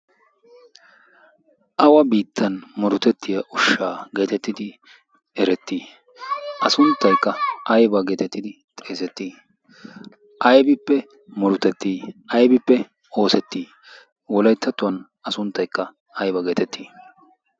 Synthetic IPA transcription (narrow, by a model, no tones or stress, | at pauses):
ʔɐwɐbiːt̪ʰːɐnmɔɾʊt̪ɛt̪ːɪjɐʔʊʃːaːɡe̞ːt̪ɛt̪ːɪd̪ɪ | ɛɾɛt̪ːiː | ʔɐsʊnt̪ːɐjkːɐɐjbɐɡe̞ːt̪ɛt̪ːɪd̪ɪ | t̪ʼe̞ːsɛt̪ːiː | ʔɐjbɪpːɛ | mɔɾʊt̪ɛt̪ːiːʔɐjbɪpːɛ | o̞ːsɛt̪ːiː | wɔlɐjt̪ʰːɐt̪ːʊwɐn | ɐsʊnt̪ːɐjkːɐ | ɐjbɐɡe̞ːt̪ɛt̪ːiː